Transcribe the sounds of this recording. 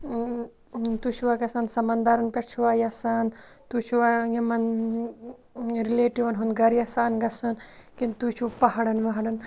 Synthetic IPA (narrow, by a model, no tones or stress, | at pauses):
t̪ut͡ʃʰuʋaːkɐsaːnsɐmɐnd̪aːɾɐnpʲɐɾt͡ʃʰuʋaːjɐsaːnt̪ut͡ʃʰuʋaːjɐmɐn | ɾileːʈiʋɐnɦunɡɐɾjɐsaːnɡɐsɐnkint̪ut͡ʃʰupɐɦɐɽɐnʋɐɦɐɽɐn